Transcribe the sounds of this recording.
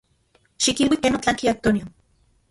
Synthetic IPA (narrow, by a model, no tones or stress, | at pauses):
ʃikilwikenot͡ɬaŋkiak̚t̪oniom